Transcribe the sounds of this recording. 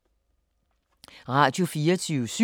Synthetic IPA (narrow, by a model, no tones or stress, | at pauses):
ʁɑ̈ːd̥jo̝fiːɐt͡sʰyːʊsy